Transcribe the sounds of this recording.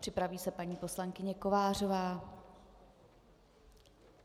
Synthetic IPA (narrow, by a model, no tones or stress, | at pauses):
pr̥ɪpɾaviːsɛpaɲiːpo̞slaŋkɪɲɛko̞vaːr̝o̞vaː